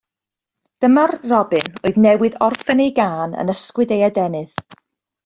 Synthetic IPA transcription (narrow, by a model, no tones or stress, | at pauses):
d̥əmarrɔbɨno̰ɨðnɛwɨðɔrfənejɡaːnə̰nəskwɨdejadɛnɨð